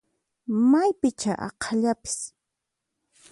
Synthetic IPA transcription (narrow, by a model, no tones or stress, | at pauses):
majpɪt͡ʃaʔɑ̰qʰaʎapɪ̥s